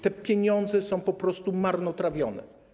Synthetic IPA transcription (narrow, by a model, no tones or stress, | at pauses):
t̪ɛpʲjeɲɔnd̪zɛsɔ̃w̃pɔpɾɔst̪umaɾnɔt̪ɾavʲjɔnɛ̰